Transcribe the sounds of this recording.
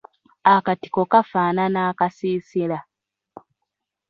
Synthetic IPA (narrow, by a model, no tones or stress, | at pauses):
akati̥ko̞kafaːnanaːkasiːsila